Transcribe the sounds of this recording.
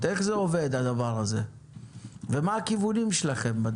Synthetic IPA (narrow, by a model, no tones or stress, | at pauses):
e̞χzeove̞d̪ad̪avaʁaze̞ | ve̞maːkivunimʃelaχe̞mbad̪